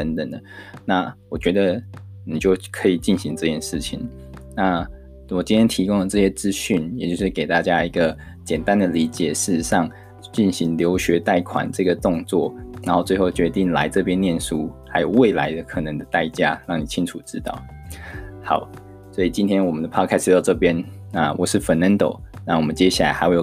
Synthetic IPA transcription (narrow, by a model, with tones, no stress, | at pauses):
t̪ə˧˦nt̪ə˨˩ŋd̪ə˩˦na˥˨wɔ˨˩t͡ɕɥɛ˧˥d̪ə˨ | ni˨˩t͡ɕjo˥˧ʊkʰɤ˧˥i˨˩t͡ɕi˥˩nɕi˧˥ŋʈ͡ʂɤ˥˧t͡ɕjɛ˥˧nʂɻ̩˥˩t͡ɕʰḭ˨˩˦ŋ | na˥˨ | wɔ˨˩t͡ɕi˥nt̪jɛ˥nt̪ʰi˧˥kʊ˥ŋd̪ə˨˩ʈ͡ʂɤ˥˧ɕjɛ˥t͡sɹ̩˥ɕy˥˩njɛ˨˩t͡ɕjo˥˧ʊʂɻ̩˥˩ke˨˩ɪt̪a˥˧t͡ɕja˥˦i˧˥ɡə˨ | t͡ɕjɛ˨˩nt̪a˦nd̪ə˨li˧˥t͡ɕjɛ˨˩ʂɻ̩˥˩˧ʂɑ˥˧ŋ | t͡ɕi˥˩nɕi˧˥ŋljo˧˥ʊɕɥɛ˧˥t̪a˥˩ɪkʰwa̰˨˩nʈ͡ʂɤ˥˧ɡə˩t̪ʊ˥˧ŋt͡swɔ˥˩na˨˦nxo˥˧ʊt͡swe˥˧ɪxo˥˩ʊt͡ɕɥɛ˧˥t̪i˥˩ŋla̰˧˥ɪʈ͡ʂɤ˥˧pjɛ˥nːjɛ˥˩nʂu˥xa˧˥ɪjo˨˩ʊwe˥˩ɪla˧˥ɪd̪ə˧kʰɤ˨˩nə˧˦ŋd̪ə˧t̪a˥˧ɪt͡ɕja̰˥˧ɻɑ˥˩ŋni˨˩t͡ɕʰi˦˥ŋʈ͡ʂʰu˨˩ʈ͡ʂɻ̩˥t̪ɑ˥˩ʊ | hɑ˨˩˦ʊ | swɔ˧˥i˨˩t͡ɕi˥nt̪ʰjɛ˥nwɔ˨˩mə˨nd̪ə˩pʰɑ˥˧kʰa˥˩sɑ˥˧ʈ͡ʂɤ˥˧˩pjɛ˥nna˥˩wʔɔ˨˩ʂɻ̩˥˩fə˨nə˧˦nt̪o̰˨˩ʊna˥˩wɔ˨˩mə˦nt͡ɕjɛ˦˥ɕja˥˩a̰˨˩xa˧˥xwe˥˩jo˨